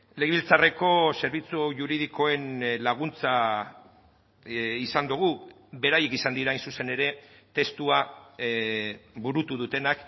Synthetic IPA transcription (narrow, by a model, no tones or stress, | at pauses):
leɣiβilt͡sare̞ko̞se̞ɾβ̞it͡suʝuɾið̞ikʰo̞e̞nlaɣ̞unt͡sa | isand̪uɣ̞u | βe̞ɾaje̞kisand̪iɾaːjnsuse̞ne̞ɾe̞ | t̪e̞st̪ua | buɾut̪uðut̪e̞nak